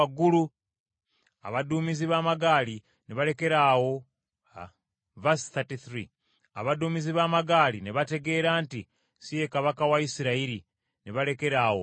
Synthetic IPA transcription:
aɡulu | a̰βaduːmiziβaːmaɡaːli | neβale̞ke̞ɾaːwo̞ | vasθatiθɾi | a̰βaduːmiziβaːmaɡaːlineβate̞ɡe̞ːɾaːnti | sije̞kaβakawaisiɾaiɾi | neβale̞ke̞ɾaːwo

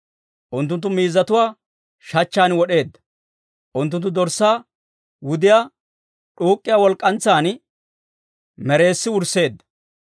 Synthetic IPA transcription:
ʔʊnt̪ːʊnt̪ːʊmiːzːɐt̪ʊwaː | ʃɐt͡ʃːaːnwɔɗe̞ːd̪ːɐ̥ | ʔʊnt̪ːʊnt̪ːʊd̪ɔɾsːaː | wʊd̪ɪjaː | ᶑuːkʼːɪjaːwɔlkʼːɐnt͡sːaːn | mɛɾe̞ːsːɪwʊɾse̞ːd̪ːɐ̥

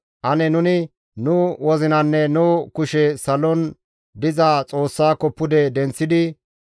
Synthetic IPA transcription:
ʔɐnɛnʊnɪ | nʊwɔzɪnɐnːɛnʊkʊʃɛsɐlɔn | d̪ɪzaːt͡sʼo̞ːsːaːkɔpːʊd̪ɛd̪ɛnt͡sːɪd̪ɪ

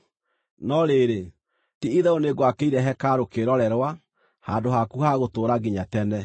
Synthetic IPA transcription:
nɔɾeɾe | tiiðɛoneɡwakeiɾɛɦɛkaɾokeɾɔɾɛɾwa | haːndohakuhaɣotoːɾaɣiɲatɛnɛ

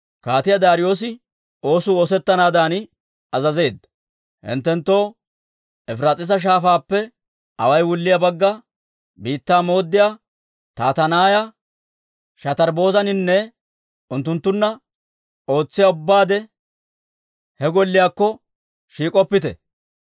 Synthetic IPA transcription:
kaːt̪ɪjɐd̪aːɾɪjo̞ːs̬ɪ | o̞ːsʊːoːsɛt̪ːɐnaːd̪aːnɪ | ɐzɐze̞ːd̪ɐ | hɪ̰nt̪ːɛnt̪ːo̞ː | ɛfɾaːt͡sʼɪs̬ɐʃ̬aːfaːpːɛ | ɐ̰wɐjwʊlːɪjɐbɐɡːɐ | biːt̪ːaːmo̞ːd̪ːɪjaː | t̪aːt̪ɐnaːjɐ | ʃɐt̪ɐɾbo̞ːzɐnɪnːɛ | ʊnt̪ːʊnt̪ːʊnːɐ | o̞ːt͡sːɪjaʊbːaːd̪ɛ | hɛɡɔlːɪjaːkːɔ | ʃiːkʼɔpːɪt̪ɛ̰

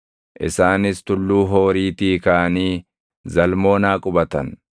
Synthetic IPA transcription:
ʔɪ̰saːnɪst̪ʊlːuːɦo̞ːɾiːt̪iːkaːɐniː | zɐlmo̞ːnaːkʼʊbɐt̪ɐ̰n

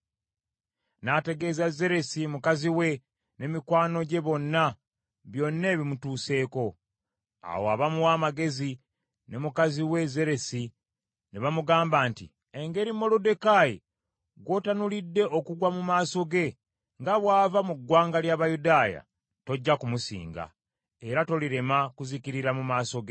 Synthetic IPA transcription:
nate̞ɡe̞zaze̞ɾe̞simukaziwe̞ | ne̞mikwaːno̞ɟe̞βo̞nːa | βjo̞nːe̞ːβimutuːse̞ːko̞ | a̰woa̰βamuwaːmaɡe̞zi | ne̞mukaziwe̞ze̞ɾe̞si | neβamuɡaːmbaːntḭ | eŋɡe̞ɾimo̞lode̞kajḭ | ɡwo̞tanulidːe̞okuɡwamumaːso̞ɡe̞ | ŋɡaβwaːvamuɡːwaːŋɡaljaβajudaːja̰ | to̞ɟːakumusḭːŋɡa̰ | e̞ɾato̞liɾe̞makuzikiɾiɾamumaːso̞ɡe

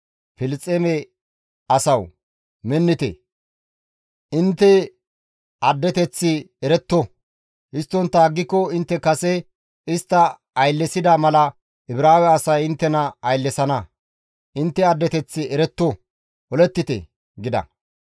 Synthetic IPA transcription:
fɪlt͡sʼːemɛ | ɐsɐw | mɛnːɪt̪ɛ̰ | ʔɪnt̪ːɛ | ɐd̪ːɛt̪ɛt͡sːɪ | ɛɾɛt̪ːɔ | hɪst̪ːɔnt̪ːaːɡːɪkːɔɪnt̪ːɛkɐsɛ | ɪst̪ːɐ | ɐjlːɛsɪd̪amɐlɐ | ʔɪbɾaːwɛːsɐjɪnt̪ːɛnɐɐjlːɛsɐnɐ | ʔɪnt̪ːɛɐd̪ːɛt̪ɛt͡sːɪʔɛɾɛt̪ːɔ | ʔɔlɛt̪ːɪt̪ɛ̰ | ɡɪd̪ɐ̰

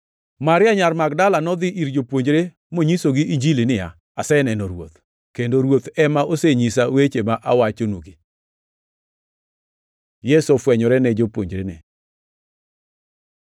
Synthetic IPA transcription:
maɾɪaɲaɾmaɡdalanɔd̪ɪʔiɾd͡ʒopwoɲd͡ʒɾe | moɲisoɡiʔiɲd͡ʒilinɪja | asɛnɛnɔɾwo̰t̪ | kendoɾwot̪ɛmaʔoseɲis̬awet͡ʃemaʔawat͡ʃonoɡi | jɛsofwɛɲɔɾɛnɛd͡ʒopwo̰ɲd͡ʒɾenɛ̰

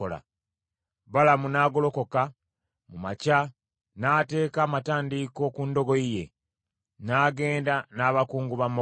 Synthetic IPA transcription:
ola̰ | βalamunaːɡo̞lo̞ko̞ka | mumaca | naːte̞ːkaːmataːndiko̞kundo̞ɡo̞ije̞̰ | naːɡe̞ːndanaːβakuːŋɡuβamo

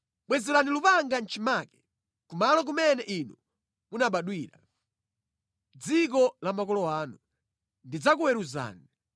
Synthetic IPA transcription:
ɓwɛzɛlanilupaŋɡant͡ʃʰimaːkɛ̥ | kumalɔk̬umɛnɛʔinu | munaɓaɗwiːɾa | d͡zik̬ɔlamakɔlɔwaːnu | ndid͡zak̬uwɛɾuza̰ːni

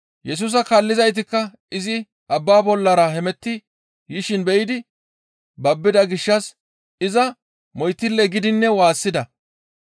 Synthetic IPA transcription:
jɛs̬uːs̬ɐkalːɪzɐjt̪̬ɪkːɐ | ɪzɪ | ʔɐbːaːbɔlːɐɾɐhɛmɛt̪ːɪ | jɪʃɪnbɛʔɪd̪ɪ | bɐbːɪd̪ɐɡɪʃːɐs | ɪzɐ | mɔjt̪ːɪlːɛɡɪd̪ɪnːɛwaːsːɪd̪ɐ

